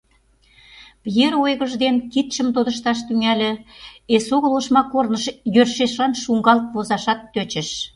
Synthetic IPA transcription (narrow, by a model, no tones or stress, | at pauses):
pjeɾojɣə̆ʒd̪enkit̪ʃə̆mt̪od̪ə̆ʃt̪ɑʃt̪yŋælʲĕesoɣəloʃmɑkornəʃjørʃeʃlɑnʃuŋɡɑlt̪̚βozɑʃɑt̪ːøt͡ɕə̆ʃ